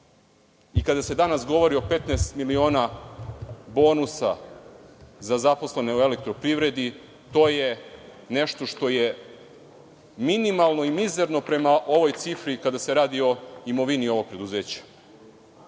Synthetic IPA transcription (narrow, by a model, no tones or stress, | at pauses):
ikad̪ase̞d̪anasɡo̞ʋo̞ɾio̞pe̞t̪nɛst̪milio̞ːna | bo̞ːnusa̰ | zazapo̞sleneoe̞lek̚t̪ɾo̞pɾiʋɾe̞d̪i | t̪o̞ːje | neʃt̪o̞ʃt̪o̞je | minimalˠno̞imize̞ɾno̞pɾe̞maʔo̞ʋo̞jt̪sifɾikad̪ase̞ɾaːd̪io̞imo̞ʋinio̞ʋo̞ɡ̚pɾe̞d̪uze̞ːt͡ɕḁ